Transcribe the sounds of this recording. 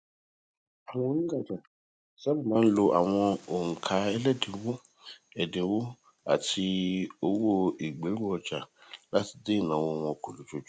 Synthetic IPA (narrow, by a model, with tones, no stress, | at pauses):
a˨w̃ɔ̃˦o˦nũ˦ɡa˦˨d͡ʒa˨ | sɛ˦bu˦˨mãː˨˦lo˧ʔa˨w̃ɔ̃˧o˨ŋ̩˨kʰa˨˦ɛ˦lɛ˦˨de˨wo˦ | ɛ˨de˨wo˦ | a̰˨ti˧o˦wo˦i˨ɡ͡be˨˦ɾu˦ɔ˨d͡ʒa˨la˦ti̥˨˦de˦˨nã˨w̃ɔ̃˧˦w̃ɔ̃˧˦kõ˨lo˨t͡ʃo˨d͡ʒ